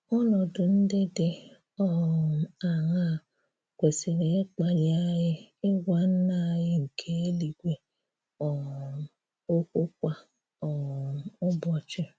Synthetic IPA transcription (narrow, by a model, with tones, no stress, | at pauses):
ɔ˦lɔ˨dʊ˨n̩˦de˦de˦ | ɔ˨a˨ɣa˦˨ | kʷe˨se˨ɾe˨e˦k͡pa˨li˨a˦jɪ˦ɪ˦ɡʷa˦n̩˦na˦˨jɪ˦ŋ̩˨kʰe˦e˦li˨ɡʷe˨ | ɔ˨ | o˦kʷʊ˦k̚ʷa˦ | ɔ˨ʊ˦bɔ˨t͡ʃɪ˦